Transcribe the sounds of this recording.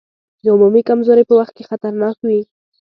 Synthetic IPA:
d̪əʊmumikamzoɾepəwaxt̪̚kexat̪aɾnɑkwi

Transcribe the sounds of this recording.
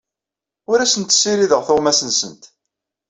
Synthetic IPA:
ʊɾæsənt̪sːiɾiðəʁθʊʁmæsənsə̰nt̪

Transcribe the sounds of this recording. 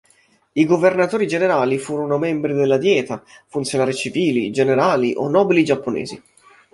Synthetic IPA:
iɡovernat̪oːɾid͡ʒeneɾaːlifuːɾonomɛmbɾid̪elːad̪jɛːt̪afunt̪sjonaːɾit͡ʃiviːlid͡ʒeneɾaːliʔo̰nːɔːbilid͡ʒapːonɛ̰ːzi

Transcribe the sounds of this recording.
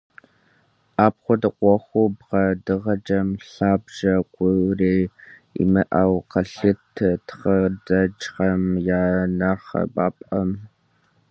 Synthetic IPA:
ʔaːpχʷɔdɨqʷɔxʷubʁɐdɨʁɐd͡ʒɐmɬaːbʒ̥ɐkʷʊreːḭmɨʔɐwqɐɬɨtʰːɨtχɐdɐd͡ʒʁɐmjaːnɐrχɐ̰ba̰ːpʼʔɐm

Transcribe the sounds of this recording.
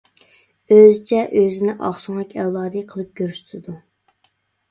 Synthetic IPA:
øzt͡ʃʰɛʔøzɪnɪʔɑχsuŋɛkʲɛwlˠɑːd̪ɨqʰəlˠɨp̚ɡ̥ʲøɾyʃt̪ʰɨd̪u

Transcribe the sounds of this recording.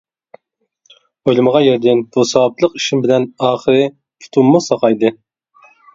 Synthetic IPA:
ojlˠɨməʁɑjɛɾd̪ʲɛnbusɑwɑplˠəqiʃimbɪlɛnɑːχəɾɨ | pʰu̥t̪ʰumːusɑqɑjd̪ɨ

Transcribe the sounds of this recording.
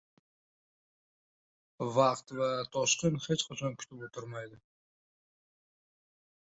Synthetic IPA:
vɑqt̪vat̪ʰɒʃqɨnhe̞t͡ʃqʰat͡ʃʰɒnkʲʰʊ̥t̪ʰɪblɪt̪ʰʊɾmajd̪ɪ

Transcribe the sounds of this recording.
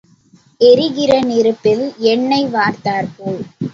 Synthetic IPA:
ʔɛɾɪɣɪɾɐnɪɾɯpːɪlɛɳːɐɪʋaːɾt̪aːɾpoːl

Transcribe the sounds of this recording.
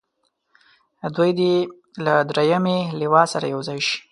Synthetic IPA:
d̪wujd̪e | lad̪ɾejamelewɑsaɾa̰jawzɑjʃi̥

